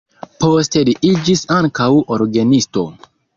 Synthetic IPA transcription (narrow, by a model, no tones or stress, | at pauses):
poste̞liʔid͡ʒisaŋkawoɾɡenisto̞̰